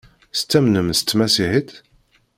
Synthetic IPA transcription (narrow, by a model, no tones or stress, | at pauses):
st͡s̪ːæmnəmsə̥t̪ːmæsiħit̪